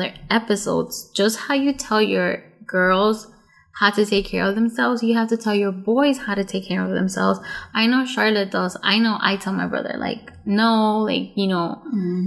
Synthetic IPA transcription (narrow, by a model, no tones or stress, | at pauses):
ðə̰˞ɛpɨso̰ʊdz̥d̥ʒ̥ʌst̚haʊjɨtʰɛlˠjə˞ɡ̥ɜ˞lˠz̥ | haʊɾɨtʰeɪkʰɛ̰ɹʌvðɨ̃msɛlˠvzjɨhæftɨtʰɛlˠjə˞bɔɪz̥haʊɾɨtʰeɪkʰːɛɹʌvðɨ̰̃msɛ̰lˠvz̥ʔaɪnoʊʃɑɹˡlɨt̚dʌza̰ɪnoʊʔa̰ɪtʰɛlˠmaɪbɹʌ̰ðə̰˞la̰ɪk̚noʊla̰ɪkjɨnoʊ